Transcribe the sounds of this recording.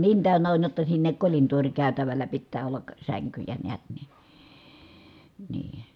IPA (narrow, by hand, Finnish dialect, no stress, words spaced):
niːn tæˑønːæ on jotːɑ sinːek kolintoːrʲkæˑy̞tæʋælːæ pitːæː olːɑk sæŋkyjæ neæt nin̥ niː